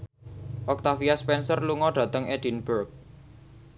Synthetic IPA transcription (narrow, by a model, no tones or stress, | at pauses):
ʔɔk̚t̪afiaspɛnsərluŋɔɖ̥ä̤t̪əŋeɖ̥i̤nbərk̚